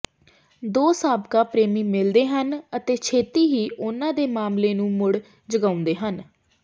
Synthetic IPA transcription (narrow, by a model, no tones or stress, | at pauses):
d̪oːsaːbkaːpɾeːmiːmɪld̪eːɦənət̪eːt͡ʃʰeːt̪iːɦiːʔʊnãːd̪eːmaːmleːnũːmʊɽ | d͡ʒəɡãːʊ̃nd̪eːɦən